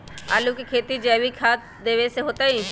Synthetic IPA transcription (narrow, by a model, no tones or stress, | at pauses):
aːlukekʰeːt̪id͡ʒɛːʋikʰaːt̪ | d̪eːʋeseɦoːt̪aĩ